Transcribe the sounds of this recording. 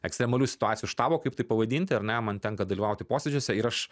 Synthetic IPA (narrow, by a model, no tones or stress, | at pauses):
ɛksʲt̪ɾʲɛmɐlʲuːsʲɪ̥t̪ʊɑːt̪sʲɪjuːʃt̪ɑːboːkɐɪpt̪ɐɪpɐʋɐd̪ʲiːnʲt̪ʲɪɐɾnʲɛmɐnt̪ʲɛŋkɐd̪ɐlʲiʋɐʊt̪ʲɪpoːsʲɛd͡ʒʲoːsʲɛɪɾɐʃ